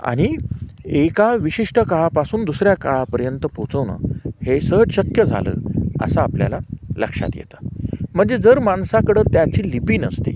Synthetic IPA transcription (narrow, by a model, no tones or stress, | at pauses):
a̰ɽ̃i | ekaʋiɕiʂʈəkaɭapasuːnd̪usɾjakaɭapəɾjənt̪əpot͡səʋna̰hesəɦəd͡zɕəkjəd͡zʱa̰lə̰ːə̰saːplja̰lalə̰kʂa̰t̪jḛt̪ḁm̤əɳd͡zed͡zəɾmaɳsakəɽəːt̪jat͡ɕiːlipiːnəst̪ḭ